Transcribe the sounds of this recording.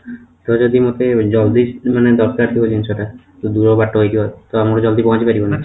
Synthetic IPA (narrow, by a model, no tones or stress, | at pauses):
t̪ɔd͡ʒɔd̪imot̪ed͡ʒɔld̪imaned̪ɔɾkaɾt̪ʰikod͡ʒinsoʈa | t̪od̪uɾɔbaʈːoɦojd̪ibɔt̪oamɾɔd͡ʒɔld̪ibɔkad͡ʑipaɾibona